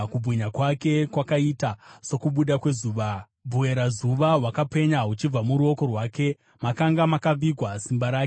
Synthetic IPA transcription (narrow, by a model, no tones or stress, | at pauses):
kubʱwiɲakwake̞kwakaitaso̞kuɓuɗakwe̞zuːʋa | bʱue̞ɾazuʋawakape̞ɲaɦut͡ʃib͡vamuɾuo̞ko̞rwaːke̞ | makaŋɡamakab͡viɡʱwasimbaɾaːk